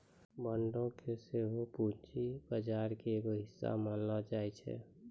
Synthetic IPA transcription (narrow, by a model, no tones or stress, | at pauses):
bəɳɖõkʰeseɦoput͡ʃibəd͡ʒaːɾkeːɡoɦɪsːa̰manːad͡ʒaːɛt͡ʃʰɛ̰